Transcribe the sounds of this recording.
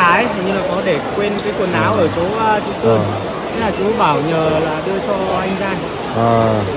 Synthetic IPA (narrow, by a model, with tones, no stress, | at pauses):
aː˨˦jt̪ʰi˨˩ɲɨ˧ŋlaː˨˩kɔ˨˦ɗe˧˩kwe˧nkaː˨˦jkwu˨˩ənʔaː˧wʔəː˧˩t͡ɕo˨˦ʔːt͡ɕo˨˦sɨ˧ə | t̪ʰlaː˨˩t͡ɕu˨˦ɓaː˧˩wɲəː˨˩laː˨˩ɗɨ˧ət͡ɕɔ˧ʔa˧jŋ̟zaː˧˩n | ə˨˩